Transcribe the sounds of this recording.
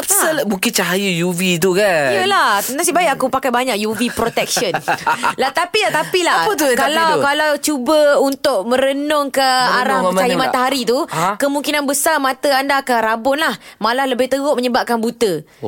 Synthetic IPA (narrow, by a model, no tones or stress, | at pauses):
pəlbuŋkɪnt͡ʃaɦajəjuvit̪̬ukajəlanasibajʔakupakajbaɲaʔjuvipɾot̪ɛk̚ʃənlat̪apilat̪apilapət̪ukalawkalawt͡ʃubəunt̪ʊʔ̚mə̃ɾənʊŋkəaɾahət͡ʃajəmat̪aɦaɾit̪ukəmũŋkinanbəsarmãt̪əandakaɾabʊnlahmalahləbɪht̪əɡʊʔ̚məɲəbap̚kanbut̪ə